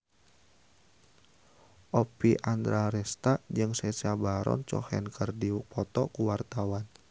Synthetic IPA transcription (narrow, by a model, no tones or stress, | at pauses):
ʔɔpiʔand̪ɾaɾɛst̪ad͡ʒɨŋsɛsabaɾɔ̰nt͡ʃɔ̰hɛnkʰərdipʰɔt̪ɔkuwart̪awan